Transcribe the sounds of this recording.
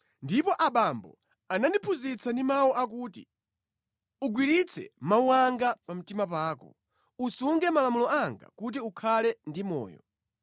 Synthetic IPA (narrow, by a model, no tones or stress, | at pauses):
ndipɔʔaɓambɔ̰ | anandipʰuzit͡sʰandimaɔʔak̬uːtḭ | uɡwiɾit͡sʰɛ̰mauaŋɡapam̩timap̬aːkɔ̰ | usuŋɡɛmalamulɔaŋɡa̰kut̬iukʰalɛndimɔ̰ːjɔ̰